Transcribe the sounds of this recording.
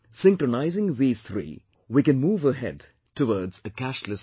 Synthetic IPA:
sɪ̃ŋkɾonaɪzɪ̃ŋðiːz̥t̪ʰɾḭː | wikɨ̃nmuːvəɦɛ̰d | tʰəwɔɾdzəkæʃləs

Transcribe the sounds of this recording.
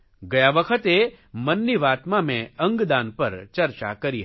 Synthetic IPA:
ɡɐjaʋəkʰət̪e | mənːiʋaːt̪mamẽɐ̃ŋɡd̪aːnpɐɾt͡ʃɐɾt͡ʃa̰kɐɾiɦ

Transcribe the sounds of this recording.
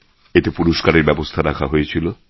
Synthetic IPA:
et̪epuɾoʃkaɾeɾbɛbost̪ʰaɾakʰaɦojet͡ɕʰilo

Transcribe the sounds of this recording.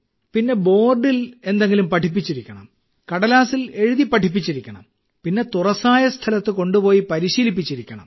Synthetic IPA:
pinːe̞bo̞ːrɖile̞nd̪e̞ŋɡilumpɐʈʰip̬ːit͡ɕːiɾikʲːɐɳɐ̰m | kɐɽɐlaːsile̞ɻuðipːɐʈʰipːit͡ɕːiɾikʲːɐɳɐ̰m | pinːe̞t̪urɐsaːjɐst̪ʰɐlɐt̪ːɨko̞ɳɖupo̞ːjipɐɾiɕiːlipːit͡ɕːiɾikʲːɐɳɐ̰m

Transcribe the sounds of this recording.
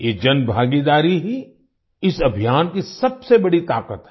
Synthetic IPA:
jeːd͡ʒɐnbʱaːɡid̪aːɾiɦi | ɪsɐbʱijaːnkisɐbsebɐɽit̪aːkət̪ɦɛ

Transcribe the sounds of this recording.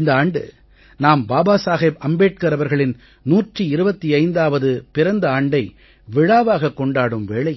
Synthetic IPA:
ɪnd̪ɐaːɳɖɯ̰ | naːmbaːbaːsaːɣeːpɐmbeːʈ̚kɐɾɐʋɐɾɣɐɭɪn | nuːʈriɪɾɯbɐt̪ːiɐɪnd̪aːʋɐðɯpɪɾɐnd̪ɐaːɳɖɐɪ | ʋɪɻaːʋaːɣɐkːɔɳɖaːɽɯmʋeːɭɐɪ

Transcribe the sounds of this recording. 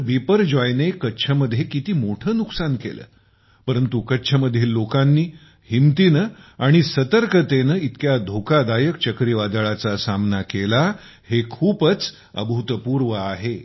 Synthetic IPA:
bipəɾd͡ʑɔjnekətːɕʰəməd̪ʱːjekit̪iːmoʈʰəːnuksankḛlə̰ː | pəɾənt̪ukətːɕʰəməd̪ʱːjeːlːokanːiː | himt̪iːnəaɽ̃isət̪əɾkʰət̪enəit̪kjad̪ʱokad̪ajəkt͡ɕəkɾiʋad̪əɭat͡sasamnakela | hekʰuːpət͡s | ə̰bʱut̪əpuɾʋəaɦe

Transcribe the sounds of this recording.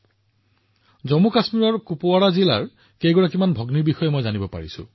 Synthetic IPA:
zɔmukasmiɹɔɹkupowaɹazila̰ɹ | kejɡɔɹakimanbʱɔɡniɹbixɔjemɔjzanibɔpa̰ɹisʊ̰̃

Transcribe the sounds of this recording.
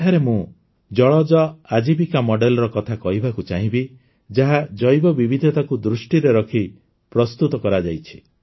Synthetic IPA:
aɾemũ | d͡ʒɔɭɔd͡ʒɔad͡ʒibikamɔɖelɔɾɔkɔt̪ʰakɔɦibakut͡ʃaɦĩbi | d͡ʒaɦad͡ʒɔjbɔbibʱid̪ʱɔt̪akud̪ɾusʈiɾeɾɔkʰi | pɾɔst̪ut̪ɔkɔɾad͡ʒajt͡ʃʰi̥

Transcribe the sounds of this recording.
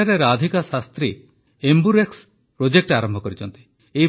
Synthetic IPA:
aɾeɾad̪ʱikasast̪ɾi | embuɾeks | pɾod͡ʒek̚ʈaɾɔmbʱɔkɔɾit͡ʃɔnt̪i̥ | e

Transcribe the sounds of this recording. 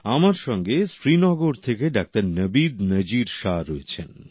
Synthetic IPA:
amaɾʃɔŋɡesɾinɔɡoɾt̪ʰekeɖak̚t̪aɾnəbid̪nəd͡ʑiɾʃaɾɔet͡ɕʰen

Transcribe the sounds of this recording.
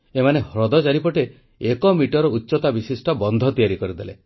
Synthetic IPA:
emanehɾɔd̪ɔd͡ʒaɾipɔʈe | ekɔmiʈɔɾɔutːʃɔt̪abisisʈɔbɔnd̪ʱɔt̪ijaɾikɔɾid̪ele

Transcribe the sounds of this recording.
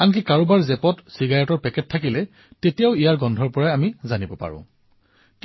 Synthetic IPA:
ank̬ikaɹubaɹzɛpɔtsiɡajɔtɔɹpɛkɛtʰːakilɛ | tetijaʊijaɹɡɔndʱɔɹpɔɹaamizanibɔpa̰ɹʊ̰̃ | k

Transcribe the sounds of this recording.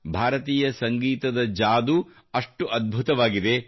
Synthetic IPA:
bʱaːɾɐt̪iːjɐsɐŋɡiːt̪ɐd̪ɐd͡ʒaːd̪u | ɐʂʈuʔɐd̪̚bʱut̪ɐʋaːɡid̪e̞

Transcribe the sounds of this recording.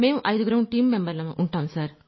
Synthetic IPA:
me̞ːmuʔɐjd̪uɡɾɐwʈiːmːembɐɾlɐʔuɳʈaːmsaːɾ

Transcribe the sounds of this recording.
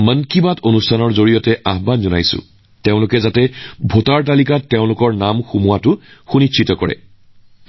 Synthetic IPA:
mənkibatonustʰanɔɹzoɹijɔtɛʔaɦbanzɔnajsʊ̰ | teʊ̃lʊkɛzatɛbʱotaɹt̬alikatːeʊ̃lʊkɔɹnamxumuwatʊxunit͡ʃʰitɔkɔɹɛ̰

